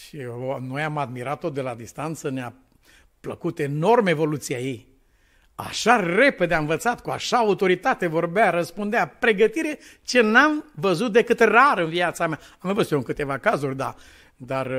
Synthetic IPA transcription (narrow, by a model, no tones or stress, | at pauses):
ʃienojamad̪̚miɾat̪ːo̞d̪e̞lad̪ist̪ant̪sənea | pləkut̪e̞no̞rmevo̞lut̪siaji | a̰ʃare̞ped̪eam̃vət̪sat̪kua̰ʃaːut̪o̞ɾit̪at̪evo̞rbeaɾəspund̪eapɾe̞ɡət̪iɾe̞t͡ʃe̞namvəzut̪̚d̪e̞kɨt̪raɾɨnviat̪samea | amvəsujoɨŋkɨt̪e̞vakazurʲd̪a̰ | d̪ar